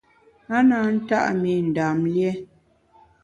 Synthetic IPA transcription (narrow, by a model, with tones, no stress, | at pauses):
a˦na˨˦n̩˦ta̰˦ʔme˨n̩˨da˨mljɛ˦